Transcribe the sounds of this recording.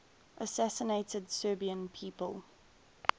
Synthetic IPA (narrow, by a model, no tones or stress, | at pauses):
ʔəsæsəneɪtədsɜːbiə̃npʰiːpəlˠ